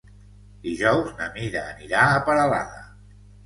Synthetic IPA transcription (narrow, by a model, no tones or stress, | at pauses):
d̪iʒɔwznəmiɾəːniɾaəpəɾəla̰ðə